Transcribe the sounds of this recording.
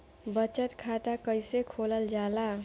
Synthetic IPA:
bʌt͡ʃət̪kʰat̪akʌjsekʰoləld͡ʒala

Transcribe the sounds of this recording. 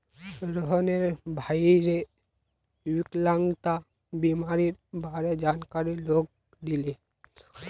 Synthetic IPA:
ɾɔɦneɾbʱaːiɾe | wɪklaŋɡt̪a | bimaɾiɾbʱaːɾed͡ʒaːnkaɾiloːɡ̚ | d̪ile

